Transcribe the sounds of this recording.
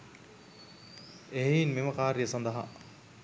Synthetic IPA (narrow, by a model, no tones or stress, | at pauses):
eɦeinmeməkaːɾjəsand̪ɐɦa̰